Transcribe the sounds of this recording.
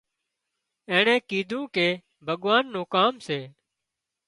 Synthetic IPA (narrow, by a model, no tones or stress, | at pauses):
ẽːɳẽːkiːd̪ʱũːkeː | bʱəɠʋaːnːũːkaːmseː